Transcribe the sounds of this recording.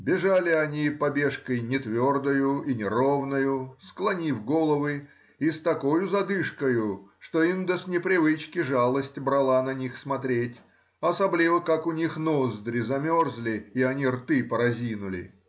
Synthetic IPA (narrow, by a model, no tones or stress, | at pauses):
bʲɪʐalʲɪɐnʲipɐbʲe̞ʂkəjnʲɪt̪vʲo̞rd̪əjʊinʲɪɾo̞vnəjʊsklˠɐnʲifɡo̞lˠəvɨ | ist̪ɐko̞jʊzɐd̪ɨʂkəjʊʂt̪o̞ind̪əsnʲɪpɾʲɪvɨt͡ɕkʲɪʐalˠəsʲtʲbɾɐlˠanɐnʲixsmɐt̪ɾʲetʲ | ɐsɐblʲivəkakʊnʲixnozd̪ɾʲɪzɐmʲorzlʲɪːɐnʲirt̪ɨpəɾɐzʲinʊlʲɪ̰